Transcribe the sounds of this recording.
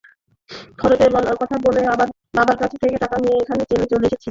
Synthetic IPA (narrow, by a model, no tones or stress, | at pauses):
kʰɔɾot̪ebɔlaɾkɔt̪ʰaboleabaɾ | babaɾkat͡ɕʰe̥t̪ʰeket̪akanieekʰanet͡ɕelet͡ɕoleeʃet͡ɕʰi